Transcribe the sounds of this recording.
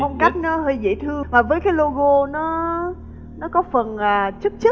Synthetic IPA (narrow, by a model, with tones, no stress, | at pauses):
ə˧wŋ͡mka˦˥jk̟̚nɔ˨˦ɦəː˧jzḭ˧˩t̪ʰɨ˧əmaː˨˩vəː˨˦jkaː˨˦jlo˧ɣo˧nɔ˨˦ | nɔ˨˦kɔ˨˦fə˨˩nʔaː˨˩t͡ɕɨ˦˥k̚t͡ɕɨ˦˥